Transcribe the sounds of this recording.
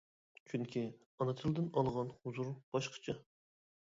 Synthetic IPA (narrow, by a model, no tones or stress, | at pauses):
t͡ʃʰyŋkʲʰi | ɑnɨt̪ʰɨlˠɨd̪ɨnɑlˠʁɑnhuzuɾb̥ɑʃqʰə̥t͡ʃʰɑ